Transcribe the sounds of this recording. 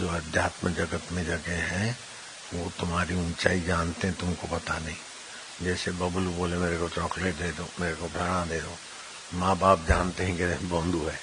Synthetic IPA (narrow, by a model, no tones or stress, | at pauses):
d͡ʒoːɐd̪ʱjaːt̪məd͡ʒɐɡət̪mẽd͡ʒɐɡeɦɛ̃ | ʋot̪ʊmɦaːɾiʊnt͡ʃaːid͡ʒaːnt̪eɦɛ̃t̪ʊmkopɐt̪anɐɦĩ | d͡ʒɛːsebɐbʊluboːlemeːɾekot͡ʃɔːkleːʈ̚d̪eːd̪oːmeːɾekobʱɛɽãd̪eːd̪oː | mãːbaːp̚d͡ʒaːnt̪eɦɛ̃kebɔ̃ːnd̪ʱuɦɛː